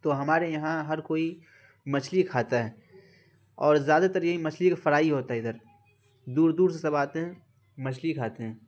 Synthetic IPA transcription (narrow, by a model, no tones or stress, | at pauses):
t̪oɦɐmaːɾejɐɦãɦɐɾkoːi | mɐt͡ʃʰlikʰaːt̪aɦɛː | ɔːɾzjaːd̪at̪əɾjɐɦĩmɐt͡ʃʰlikfɐɾaːiɦoːt̪aɦɛɪd̪əɾ | d̪uːɾd̪uːɾs̬esɐbaːt̪eɦɛ̃ | mɐt͡ʃʰlikʰaːt̪eɦɛ̃ː